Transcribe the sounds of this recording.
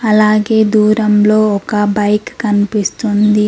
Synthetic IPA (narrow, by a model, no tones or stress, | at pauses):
ɐlaːɡe̞ːd̪uːɾɐmlo̞ːɔkɐbɐjkkɐnipist̪und̪i